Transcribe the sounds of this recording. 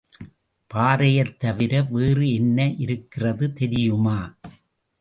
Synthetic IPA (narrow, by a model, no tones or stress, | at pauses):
paːɾɐjɐt̪ːɐʋɪɾɐʋeːrɯɛnːɐʔɪɾɯkːɪrɐðɯt̪ɛɾɪjɯmaː